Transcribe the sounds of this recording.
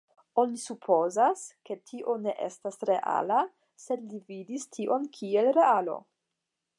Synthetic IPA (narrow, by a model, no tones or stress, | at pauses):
o̞nisupʰo̞zaske̞tʰiʔo̞ne̞ʔe̞̰stasɾe̞ʔa̰la | se̞dlividistʰiʔo̞nkʰie̞lɾe̞alo̞̰